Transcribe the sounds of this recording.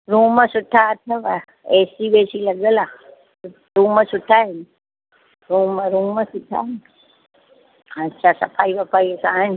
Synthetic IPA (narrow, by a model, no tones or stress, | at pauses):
ɾuːməsʊʈʰːaːt̪ʰəʋa | eːsiʋeːsiləɡəlaː | ɾuːməsʊʈʰaɦen | ɾuːmə̃ɾuːməsʊʈʰa̰en | ətːʃʰasɐpʰaːiʋəpaisãːɦn